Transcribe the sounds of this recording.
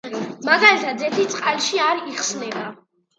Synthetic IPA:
maɡalit̪ʰad̪zɛt̪ʰit̪sʼqʼalʃiaɾiχsnɛba

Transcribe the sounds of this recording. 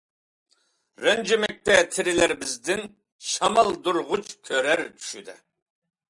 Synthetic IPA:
ɾɛnd͡ʒɪmɛk̚ʲt̪ʰɛt̪ʰɪɾɪlæɾbɪzd̪ɪn | ʃɑmɑlˠd̪uɾʁʊt͡ʃkʲʰøɾɛɾt̪ʰy̥ʃyd̪ɛ̰

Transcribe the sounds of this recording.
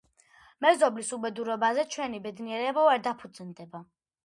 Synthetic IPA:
mɛzɔblisubɛd̪uɾɔbazɛt͡ʃʰwɛnibɛd̪niɛɾɛbaaɾd̪apʰud̪znd̪ɛba

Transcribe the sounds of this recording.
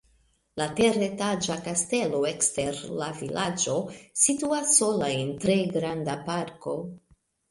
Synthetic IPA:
late̞re̞tad͡ʒakaste̞lo̞e̞kste̞ɾlavilʔad͡ʒo̞situasːo̞laentɾe̞ɡɾandapaɾko̞

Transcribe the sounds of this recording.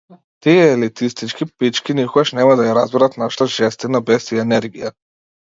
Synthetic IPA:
t̪iɛːlit̪ist̪it͡ʃkipit͡ʃkʲinikɔɡaʃnɛmad̪ajaɾazbɛɾat̪naʃt̪aʒɛst̪inabɛsiɛnɛɾɡija

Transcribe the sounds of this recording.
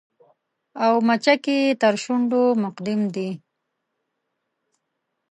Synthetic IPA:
awmat͡ʃaket̪əɾʃʊɳɖomʊqd̪ɪmd̪i

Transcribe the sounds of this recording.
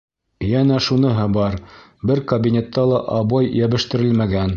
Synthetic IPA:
jænæʃunɤɦɤbɑɾ | bɘɾkɐbʲinʲet̪ːɑlˠɑʔɑβɑjjæβɘ̆ʃt̪ɘ̆ɾɘlmæɡæn

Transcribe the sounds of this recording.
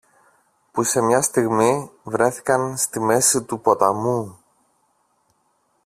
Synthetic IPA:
puse̞mɲɐst̪iɣmivɾe̞θi̥kɐnst̪ime̞sit̪upo̞t̪ɐmu

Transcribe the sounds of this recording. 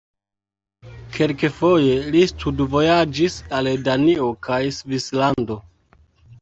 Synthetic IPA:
kʰe̞lkefo̞je̞listudvo̞jad͡ʒisaldaniokʰajsvislando̞

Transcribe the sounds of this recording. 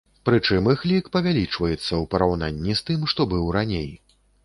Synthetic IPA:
pɾɨt͡ʂɨmɨxlʲikpɐvʲalʲit͡ʂvɐjɛt̪sːɐwpɐɾawna̰nʲːist̪ɨmʂt̪ɔbɨwranʲej

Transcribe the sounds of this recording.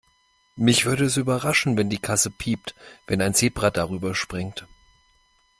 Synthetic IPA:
mɪçv̥ʏɐɾəɛsyːbɐʁaʃn̩vɛndiːkʰasəpʰiːp̚tvɛnaɪnzeːbʁadaʁyːbɐʃpʁ̥ɪŋt

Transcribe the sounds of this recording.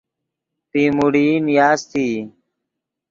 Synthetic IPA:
p̪iːmuɽiːnjaːst̪ʰiː

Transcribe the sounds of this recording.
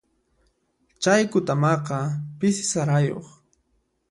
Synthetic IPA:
t͡ʃajkʊt̪amɑqɑpɪsɪ̥saɾajo̰χ

